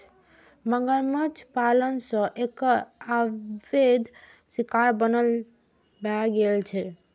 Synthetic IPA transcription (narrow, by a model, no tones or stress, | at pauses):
məŋɡəɾmət͡ʃʰpalənsə̃ʔekəabed̪ʱ | sikaɾbənəl | baɡelt͡ʃʰɛ